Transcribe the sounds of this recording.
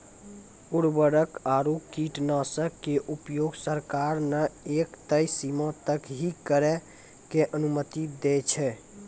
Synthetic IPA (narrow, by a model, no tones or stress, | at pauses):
uɾbəɾəkaɾukiʈnasəkːeʔupjoɡsəɾkaɾnəekt̪əjsimə̃t̪əkɦikəɾɛ | keʔənumət̪id̪ɛt͡ʃʰɛ